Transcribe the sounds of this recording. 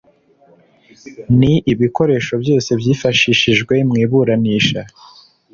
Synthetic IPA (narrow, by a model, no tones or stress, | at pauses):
niʔiβiko̞ɾe̞ːʃo̞bjo̞ːse̞bjiːfaʃiːʃiʒɡwe̞mŋiːβuɾaniːʃa